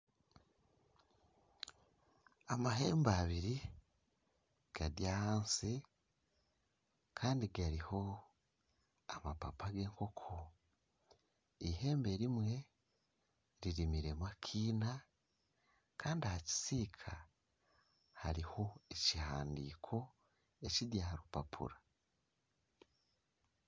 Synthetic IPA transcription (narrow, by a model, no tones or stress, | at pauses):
amaɦe̞ːmbaβiɾi | ɡ̥adjahaːnsi | kʰaːndiɡaɾiho̞ | amapapʰaɡe̞ːŋko̞kʰo | ihe̞ːmbe̞ɾimwe̞ | ɾiɾimiɾe̞makʰiːna | kʰaːndiahaci̥siːkʰa | haɾiho̞ecihaːndḭːkʰo̞ | e̞cidjaɾupa̰pʰṵɾa